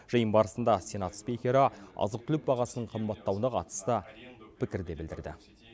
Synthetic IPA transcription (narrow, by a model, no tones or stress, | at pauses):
ʒəjənbɑɾəsənd̪ɑse̞nɑt̪spʲikʲeɾɑɑ̰zəq̚t̪ʰʏlɪp̚bɑʁɑsənəɴqʰəmbɑt̪ːɑwənɑqʰɑt̪ə̥st̪əpʰɪkʲɪɾd̪e̞bɪld̪ɪ̰ɾd̪ɪ̰